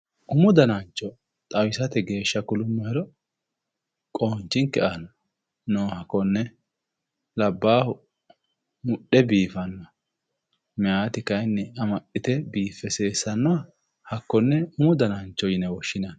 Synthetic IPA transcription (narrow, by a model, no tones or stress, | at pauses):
ʔʊmʊd̪ɐnant͡ʃːɔ | t̪ʼɐwɪsɐt̪ɛɡe̞ːʃːɐkʊlʊmːɐhɪɾɔ | kʼoːnt͡ʃːɪŋkɛʔanɔ | noːhɐkːɔnːɛ | lɐbːaːhʊ | mʊɗːɛbiːfɐnːɔa | mɛjaːt̪ɪkɐjnːɛɐmɐʔɪt̪ɛbiːfːɛse̞ːsːɐnːɔɐ | hɐkːɔnːɛʊmʊd̪ɐnɐnt͡ʃːɔjɪnɛwɔʃːɪnan